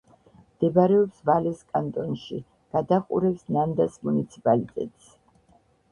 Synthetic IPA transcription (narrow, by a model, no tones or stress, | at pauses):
md̪̥ɛbaɾɛɔpsvalɛskʼant̪ʼɔnʃḭ | ɡ̥ad̪aqʼṵɾɛpsnand̪asmunit̪sʰipʼalit̪ʼɛ̰t̪ʼs